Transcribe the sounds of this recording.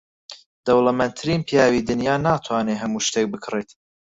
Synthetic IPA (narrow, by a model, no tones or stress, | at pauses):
d̪̥ɐwlɐmɛnt̪ʰɾiːnpʰijaːwiːd̪ɨnjaːnaːt̪ʰwaːneɦɐmuːʃt̪ek̚bɨkʰɨret̪